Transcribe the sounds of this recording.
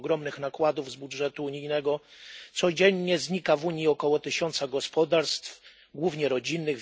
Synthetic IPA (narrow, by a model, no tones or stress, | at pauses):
ɡɾɔmnɘxnakwad̪uvzbudʐɛt̪uːɲijnɛɡɔt̪sɔd͡ʑɛɲːɛzɲikavuɲiɔkɔwɔt̪ɘɕɔnt̪saɡɔspɔd̪aɾst̪f | ɡwuvɲɛɾɔd͡ʑinːɘɣ